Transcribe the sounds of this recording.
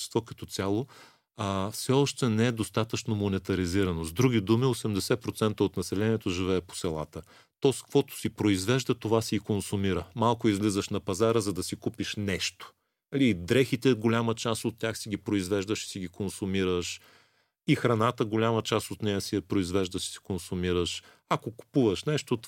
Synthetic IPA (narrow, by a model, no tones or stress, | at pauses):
st̪vokɐt̪ɔt̪sʲjalˠo | əfsɛɔʃt̪ɛnɛɛd̪ost̪at̪ət͡ʃnomonɛt̪ɐɾiziɾɐnozd̪ɾuɡid̪umiosɛmd̪ɛsɛpɾot̪sɛnt̪əot̪nɐsɛlɛniɛt̪oʒivɛːpo̥sɛlˠa̰t̪ə | t̪ɔskv̥ɔt̪o̥sipɾoizvɛʒd̪ət̪ovasiikonsumiɾəmalˠkʊizvlizəʃnɐpɐzaɾəzɐd̪ɐsikupiʃnɛʃt̪o̥ | lid̪ɾɛxit̪ɛɡolʲamət͡ʃast̪ot̪ːʲjaxsiɡʲipɾoizvɛʒd̪əʃi̥siɡikonsumiɾəʃ | ixɾɐnat̪əɡolʲamət͡ʃast̪ot̪nɛjəsiɛpɾoizvɛʒd̪əʃi̥si̥konsumiɾəʃ | akoku̥puvəʃnɛʃt̪ot̪